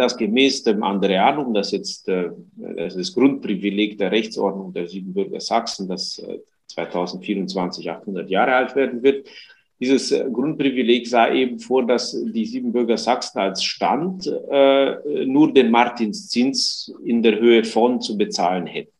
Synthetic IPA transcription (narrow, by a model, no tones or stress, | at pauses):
d̥asɡ̥əmɛːsd̥eːmʔa̰ndʁeaːnʊŋdasjɛt͡stː | asdasɡ̥ʁʊnt̚pʁ̥ivileːɡd̥eːɐʁɛçt͡sʔɔ̰ɐdnʊŋdeːɐzyːbm̩bʏɐɡɐ̰z̥aksn̩das | t͡sv̥aɪtʰaʊzn̩tfiːʁʊnt͡sv̥ant͡sɪça̰χthʊndɐtjaːʁəʔaltv̥eːɐdn̩vɪt | d̥iːzəsɡʁʊnt̚pʁ̥ivileːçzaːʔeːbm̩foːɐdasd̥iːziːbm̩bʏɐɡɐzaksn̩alsʃta̰ntː | nuːɐdeːnmaɐtʰinst͡sɪnt͡sɪndeːɐhøːəfɔnt͡subət͡saːlənhɛt̚ə